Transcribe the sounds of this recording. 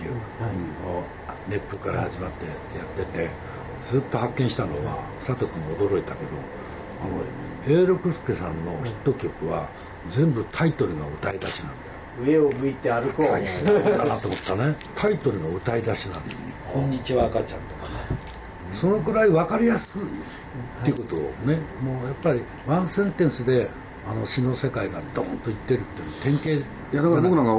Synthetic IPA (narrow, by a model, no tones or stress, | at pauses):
eɯ | o | ne̞pːɯkaɾa̰haʑimat̪ːe̞ | jat̪ːe̞t̪e̞ | d͡zɨːt̪ːo̞hakːẽ̞ɰ̃ɕi̥t̪ano̞̰βa̰ | sat̪okɯ̟ɲiod̪o̞ɾo̞it̪ake̞d̪o̞̰ | a̰no̰ | e̞ːɾo̞kɯ̟sɨ̥kesãnːo̞çi̥t̪ːo̞kʲo̞kɯ̟βa | d͡zẽ̞mbɯ̟t̪ʰait̪o̞ɾɯ̟ɡaɯ̟t̪aid̪aɕinã̰nd̪e | ɯe̞omɯ̟it̪e̞aɾɯ̟koaanat̪oːmo̞t̪ːane̞ | t̪ʰait̪o̞ɾɯ̟ɡaɯ̟t̪aid̪aɕinã̰nd̪esɨnekʰõ̞ɲ̟ːit͡ɕiβaːkat͡ɕã̰nt̪oka | so̞no̞kɯ̟ɾaiβakaɾʲijasɨi | t̪ːeiɯ̟kot̪o̞̰ne̞moːjapːaɾʲi | βãɰ̃sẽ̞nt̪ẽ̞ɰ̃sɨd̪e̞ | ano̞ɕino̞se̞kaiɡad̪õ̰ːnt̪oit̪ːe̞ɾɯ̟t̪ːenot̪ẽ̞ŋke̞ː | jad̪akabokɯnaŋɡa